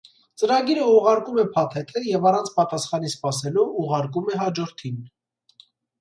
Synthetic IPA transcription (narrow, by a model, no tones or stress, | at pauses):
t͡səɾɑɡiɾəuʁɑɾkumɛpʰɑt̪ʰɛt̪ʰəjɛvɑrɑnt͡sʰpɑt̪ɑsχɑnispɑsɛluuʁɑɾkumɛɦɑd͡ʒɔɾt̪ʰin